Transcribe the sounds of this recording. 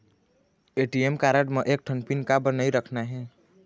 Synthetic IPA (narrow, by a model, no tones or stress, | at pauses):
eʈiemkaɾəɖmeʔek̚ʈʰənpinkabənəjɾəkʰnaɦɛ̃